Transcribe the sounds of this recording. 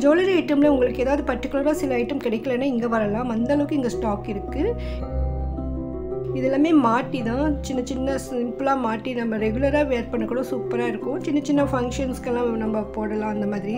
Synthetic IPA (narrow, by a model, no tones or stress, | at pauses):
d͡ʒoːlɐɾɐɪʈːɐmlɐʊŋɡɐɭɯkːeːðaːʋðɯpɐʈːɪkːʊlɐɾaːsɪlɐɐɪʈːɐmkɪɽɛɪkːɐlɐnːaːɪŋɡeːʋɐɾɐlãːɐnd̪ɐɐlɐʋɯkːɪŋɡɐsʈaːkɪɾɯkːɯ | ɪðɛlːaːmeːmaːʈːit̪ãːt͡ʃɪnːɐt͡ʃɪnːɐsɪmpɯlaːmaːʈːinɐmːɐɾɛɡʊlɐɾaːʋeːɾpɐɳːɯkːɐɽõsuːpɐɾaːɪɾɯkːʊ̃t͡ʃɪnːɐt͡ʃɪnːɐfɐŋkʂɐnskɛlːãːnɐmːɐpoːɽɐlãːɐnd̪ɐmaːðɪɾi